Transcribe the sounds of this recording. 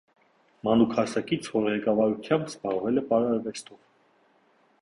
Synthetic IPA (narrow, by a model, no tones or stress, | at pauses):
mɑnukʰɑsɑkit͡sʰvɔɾʁɛkɑvɑɾut̪ʰjɑmbspɑʁvɛlɛpɑɾɑɾvɛst̪ɔv